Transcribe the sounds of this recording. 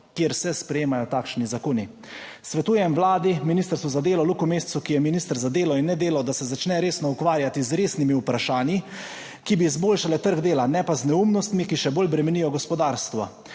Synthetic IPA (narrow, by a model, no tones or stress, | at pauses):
kjeɾsɛspɾɛjeːmajɔt̪aːkʃnizakoːni | sʋɛt̪uːjɛmʋlaːd̪iminist̪əɾst̪uzad̪eːlɔlukumeːssukijɛminiːst̪əɾzad̪eːlɔinːɛd̪eːlawd̪asɛzat͡ʃnɛɾeːsnɔukʋaːɾjat̪izɾeːsnimiupɾaʃaːnji | kibiːzboːlʃalɛt̪əɾɡd̪eːlanɛpaznɛumnɔst̪mikiʃɛboːlbɾɛmɛnijɔɡɔspɔd̪aːɾst̪ʋa